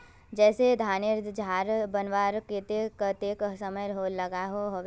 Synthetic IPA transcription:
d͡ʒɛːsed̪ʱaːnɪɾd̪ʱd͡ʒʱaːɾbənʋaːɾket̪ekət̪eksɐməjɦolɐɡaɦoɦoʋ

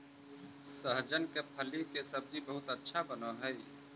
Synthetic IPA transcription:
səɦd͡ʒənkepʰəlikesəb̚d͡ʒibəɦʊt̪ətːʃʰabənoɦəi

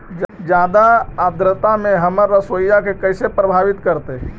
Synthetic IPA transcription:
d͡ʒjaːd̪aad̪ɾət̪amẽɦəməɾːəsəjjakekəɪsepɾəbʱaːʋit̪kəɾt̪e

